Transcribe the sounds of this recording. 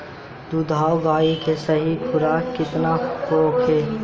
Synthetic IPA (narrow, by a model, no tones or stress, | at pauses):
d̪ud̪ʱaːwɡaːikesɐɦikʰʊɾaːkkɪt̪nakɾoːkʰɦeː